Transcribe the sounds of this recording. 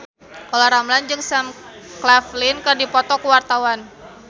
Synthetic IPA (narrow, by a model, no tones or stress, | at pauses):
kɔlaɾamland͡ʒɨŋsamklaflɪnkərdipɔt̪ɔkəwart̪awan